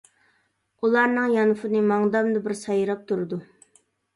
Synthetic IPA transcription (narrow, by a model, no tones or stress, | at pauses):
ulˠɑɾnɨŋjɑnʊfɨnɨmɑŋd̪ɑmd̪ɨbɪɾsɑjɾɑp̚t̪ʰuɾɨd̪u